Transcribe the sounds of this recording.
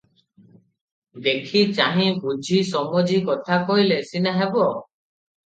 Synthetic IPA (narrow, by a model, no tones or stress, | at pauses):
d̪ekʰit͡ʃaɦĩbud͡ʒʱisɔmɔd͡ʒikɔt̪ʰakɔɦilesinaɦebɔ